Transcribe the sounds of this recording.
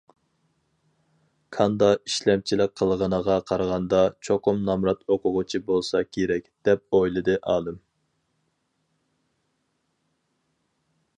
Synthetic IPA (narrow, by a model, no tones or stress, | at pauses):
kʰɑnd̪ɑiʃlɛmt͡ʃʰilɪk̚ʲqʰːəlˠʁənəʁɑqʰɑɾʁɑnd̪ɑt͡ʃʰoqʊmnɑmɾɑt̪oqʰʊʁʊt͡ʃʰibolˠsɑkʲʰeɾɛkʲd̪̥ɛp̚ojlˠɨd̪ɨʔɑːlˠɨm